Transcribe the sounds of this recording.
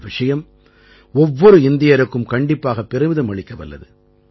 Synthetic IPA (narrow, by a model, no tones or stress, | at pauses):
ʋɪʂɐjɐm | ɔʋːɔɾɯɪnd̪ɪjɐɾɯkːɯmkɐɳɖɪpːaːɣɐpːɛɾɯmɪðɯmɐɭɪkːɐʋɐ̰lːɐ̰ðɯ